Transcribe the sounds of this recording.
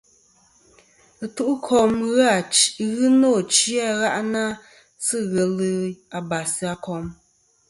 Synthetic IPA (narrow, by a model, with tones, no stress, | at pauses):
ɨ˨tu˦ʔu˦kʰɔ˨mɣa˦˨ɣɨ˦nɔ˦˨t͡ʃi˦a˦ɣa˦ʔna˦ | sɨ˦ɣɛ˨lɨ˦a˨ba˨si˦a˨kɔ˨m